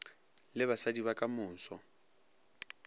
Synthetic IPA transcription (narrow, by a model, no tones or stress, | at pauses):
lɪβasadiβakʼamʊːn̩sɔ